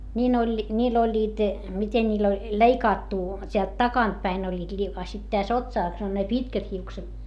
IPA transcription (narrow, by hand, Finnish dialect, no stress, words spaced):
nʲiːn olʲ nʲiːl olʲːiːt miten nʲiːl olʲ leikɑːtːu tʲeælt tɑkɑntpæin olʲːiːt li ɑ sit tæs otsɑˑs on ne pitkæt hiukset